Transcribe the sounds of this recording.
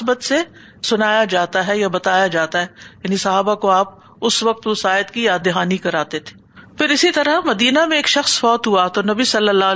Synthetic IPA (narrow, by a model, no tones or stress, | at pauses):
bət̪se | sʊnaːjad͡ʒaːt̪aɦɛjabɐt̪aːjad͡ʒaːt̪aɦɛjaːnisɐɦaːbakoaːp̚ | ʊsʋɐq̚t̪ʋʊsaːjət̪kijaːd̪ɪɦaːnikɐɾaːt̪et̪ʰe̥ːfɪɾɪsit̪ɐɾəmɐd̪iːnamẽeːkʃɐxsfɔːt̪ɦuat̪onɐbisɐlːəlːa